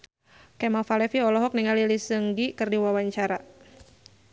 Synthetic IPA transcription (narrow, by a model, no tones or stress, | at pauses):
kɛmafalɛfiɔlɔɦɔk̚niŋalilisəŋɡikɨrdiwawaɲt͡ʃaɾa